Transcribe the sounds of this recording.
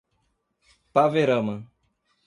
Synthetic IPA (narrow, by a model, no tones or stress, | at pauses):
paveɾɐmɐ̃